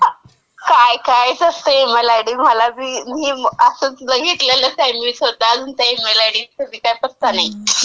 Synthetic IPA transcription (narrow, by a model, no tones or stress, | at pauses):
kajkajd͡zəst̪eməlaɽiːməlabiːmiːəsət͡sləɡʱit̪laləsajmisod̪ad͡zunt̪əimelaɽiːkəd̪iːkajpəɾt̪anai